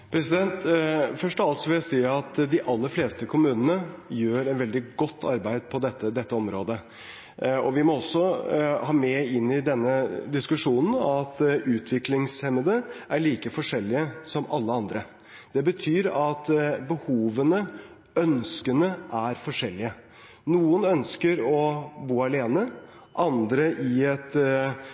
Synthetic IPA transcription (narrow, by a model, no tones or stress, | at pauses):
pʰɾɛsɪd̪ɛnt̪fœʂʈɔʋɑlt̪sɔʋɪljæɪsiːɑt̪d̪ɪʔɑlːəɾfleːst̪əkʰʊmʉːnənəjøːɾɛt̪ʋɛld̪ɪɡɔt̪ʰːɑɾbæɪd̪̚pʰɔd̪ɛt̪ːəd̪ɛt̪ːəɔmɾoːd̪ə | ɔʋɪmɔɔsːɔhɑːmɛɪnːɪd̪ɛnːəd̪ɪskʉʂuːnn̩ɑt̪ʉːt̪ʰʋɪklɪŋshɛməd̪əʔæɭiːkəfɔʂɛlːɪəsɔmɑlːəɑnd̪ɾə | d̪̥ɛbət̪ʰyːɾɑt̪bəhuːʋənə | œnskənəʔæɾfɔʂɛlːɪə | nuːənœnskəɾɔbuːɑleːnə | ʔɑnd̪ɾəʔɪɛt̪